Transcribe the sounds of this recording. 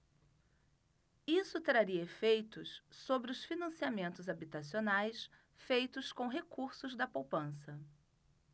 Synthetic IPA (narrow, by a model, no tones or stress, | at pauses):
isʊt̪ɾaɾiɐefejt̪ʊssobɾɪʊsfinɐ̃siamẽnt̪ʊzabit̪asionajs | fejt̪ʊskõɦekuɾsʊzd̪ɐpowpɐ̃sɐ